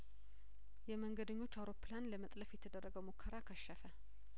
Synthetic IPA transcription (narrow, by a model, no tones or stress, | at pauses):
jɛməŋɡəd̪əɲːo̞t͡ʃːawɾo̞pːɨlanləmət̪ʼləfjɛt̪ʰəd̪ərːəɡəwmukʰːəɾakʰəʃːəfə